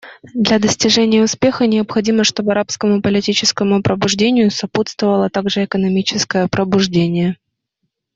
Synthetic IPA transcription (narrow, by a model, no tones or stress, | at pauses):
d̪lʲɐd̪əsʲtʲɪʐɛnʲɪjəʊspʲe̞xənʲɪəpxɐdʲiməʂt̪o̞bɨɐɾapskəmʊpəlʲɪtʲit͡ɕɪskəmʊpɾəbʊʐdʲenʲɪjʊsɐput̪st̪vəvəlˠət̪aɡʐɨɛkənɐmʲit͡ɕɪskəjəpɾəbʊʐdʲenʲɪjə